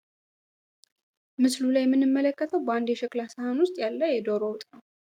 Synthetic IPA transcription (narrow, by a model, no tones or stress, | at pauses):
mɨslulajɛmːɨnːɨmːələkːət̪ʰəwbəand̪ɛʃɛklasəhanwʊst̪ʼjalːəjɛd̪oɾowt̪ʼnəw